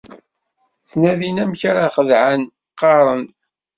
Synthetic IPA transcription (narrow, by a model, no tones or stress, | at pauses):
θnæðinæmçaɾaχəðʕaən | qːɑɾˤən